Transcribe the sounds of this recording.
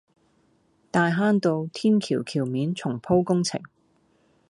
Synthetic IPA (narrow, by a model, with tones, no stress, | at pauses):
t̪aː˧jɦaː˥nt̪o˧wt̪ʰiː˥nkʰiː˨˩wkʰiː˨˩wmiː˨˥nt͡sʰʊ˨˩ŋpʰo˥wkʊ˥ŋt͡sʰɪ̰˨˩ŋ